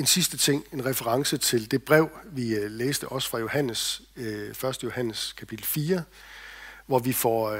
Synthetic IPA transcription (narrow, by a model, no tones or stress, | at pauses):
e̝nsisd̥ət͡sʰe̝ŋ̰e̝nʁɛfəʁɑ̈ŋsət͡sʰe̝ld̥e̝b̥ʁɛʊ̰ʋileːsd̥əʔɒ̽sə̥fʁɑ̈jo̝hæn̰əs | fɶɐsd̥əjo̝hæn̰əskʰæpʰid̥l̩fiːɐ | ʋɒʋifɒ